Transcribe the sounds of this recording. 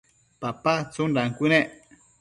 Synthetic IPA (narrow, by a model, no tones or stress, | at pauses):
papat͡sundaŋkuneʔ